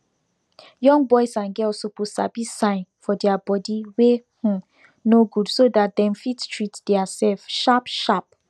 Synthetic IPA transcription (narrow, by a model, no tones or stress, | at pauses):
jɔ̃ŋbɔɪsãnɡɛlsopusabisãɪ̃nfɔdɛabɔdiwehũ | noɡudsodat̚dɛ̃mfittʰɹitd̥ɛasɛlfʃapʃap̚